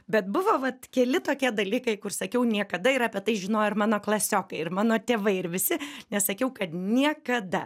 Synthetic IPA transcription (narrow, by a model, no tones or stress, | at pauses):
bʲɛt̪̚bʊʋoːʋɐt̪kʲɛlʲɪt̪oːkʲiɛd̪ɐlʲiːkɐɪkʊrsɐkʲɛʊnʲiɛkɐd̪ɐɪɾɑːpʲɛt̪ɐɪʒʲɪnoːjɪɾmɑːnoːklˠɐsʲoːkɐɪɪɾmɑːnoːt̪ʲeːʋɐɪɪɾʋʲɪsʲɪnʲɛssɐkʲɛʊkɐt̪nʲiɛkɐd̪ɐ